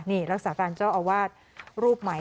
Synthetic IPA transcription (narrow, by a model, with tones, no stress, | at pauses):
niː˥˩ɾa˦˥k̚saː˩˦kaː˧nt͡ɕaː˥˩wʔaː˧waː˥˩t̪̚ | ɾuː˥˩p̚ma˩˦